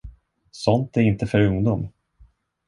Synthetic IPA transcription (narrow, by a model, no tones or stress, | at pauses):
sɔnt̪æɾɪnt̪əfœɾɵŋd̪um